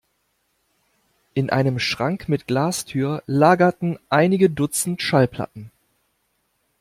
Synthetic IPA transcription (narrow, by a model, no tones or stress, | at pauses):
ʔɪnʔa̰ɪnəmʃʁ̥aŋkmɪtɡ̥laːstʰyːɐlaːɡɐtn̩ʔaɪnɪɡədʊt͡sn̩tʃalpʰl̥a̰tn̩